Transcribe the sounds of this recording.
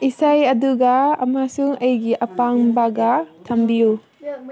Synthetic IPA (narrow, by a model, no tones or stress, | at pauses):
isajɐduɡɐɐ̰masuŋɐjɡiʔɐpaŋbaɡɐtʰambiju